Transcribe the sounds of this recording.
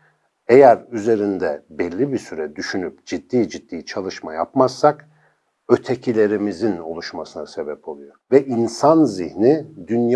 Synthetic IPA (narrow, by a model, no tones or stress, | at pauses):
ejæɾyze̞ɾind̪ɛbɛlʲːibisyɾɛd̪yʃynypd͡ʒid̪ːiːd͡ʒid̪̥ːiːt͡ʃʰalˠɯʃmaja̰pmasːak | ø̞t̪ʰecʰilʲe̞ɾimizino̞lˠuʃmasɯnase̞bɛpʰo̞lˠujovɛʔinsanzihnid̪ynj